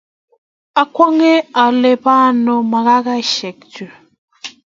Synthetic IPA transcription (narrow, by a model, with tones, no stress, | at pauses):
a˦kʷɔ˦ŋe˦a˨le˦ba˦˨no˦ma˨ɣa˦ɣa˦ʃe˨k̚tu˨